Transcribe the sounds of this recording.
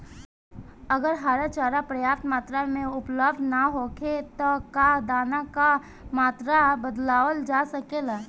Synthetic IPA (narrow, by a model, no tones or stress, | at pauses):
əɡəɾɦaːɾat͡ʃaːɾapɾəjaːpt̪maːt̪ɾamẽʊpləbd̪ʱnaɦoːkʰet̪ɔkad̪aːnaka | maːt̪ɾabəd̪laːwəld͡ʒaːsəkelaː